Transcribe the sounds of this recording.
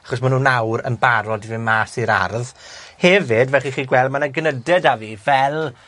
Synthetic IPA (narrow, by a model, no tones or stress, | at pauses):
aχɔs̬manuːnawɾə̰nbaɾɔdivɨmaːsiɾa̰rðhɛvɪdvɛχiχiːɡwɛlˠdmanaɡənədɛdaviːvɛlˠ